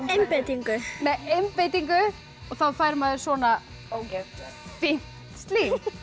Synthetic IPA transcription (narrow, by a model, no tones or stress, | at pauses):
ejmpejt̪iŋkʏmɛejmpejt̪iŋkʏ | ɔɣθawfajɾmaðɪɾ̥svɔːna | o | fin̥tt̪st̪liːn